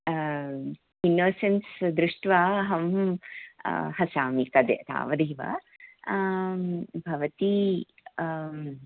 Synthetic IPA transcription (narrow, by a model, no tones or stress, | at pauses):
inːoːsensd̪ɾuʂʈʋaːɦɐm | hɐsaːmikɐd̪jɐ̰t̪a̰ːʋɐd̪iːʋɐ̰ | bʱɐʋɐt̪i